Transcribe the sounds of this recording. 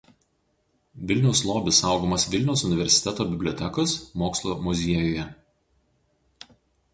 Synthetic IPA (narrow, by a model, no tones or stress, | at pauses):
ʋʲɪlʲnʲɛʊslˠoːbʲɪsɑˑʊɡoːmɐsʋʲɪlʲnʲɛʊsʊnʲɪʋʲɛɾʲsʲɪ̥t̪ʲɛt̪oːbʲɪbʲlʲoɔt̪ʲɛkosmoːkslˠomʊzʲiɛjoːjɛ